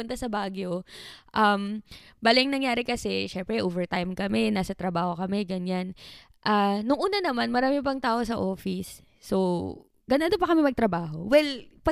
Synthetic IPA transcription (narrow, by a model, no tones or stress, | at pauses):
ʊnt̪ɐsɐbaːɡjoʔɐmbaːlɪŋnɐŋjaːɾɪkɐsɛʃɛmpɾɛʔoːvɛɹt̪ajmkɐmɛnaːsɐt̪ɾɐbaːho̞kɐmɛɡɐɲan | ʔaːnʊŋʔuːnɐnɐmanmɐɾaːmɪp̬ɐŋt̪aːʔosɐʔo̞ːfɪsː | o | ɡɐnand̪opɐkɐmɛmɐɡ̚t̪ɾɐbaːɦo̞̰wɛlpɐ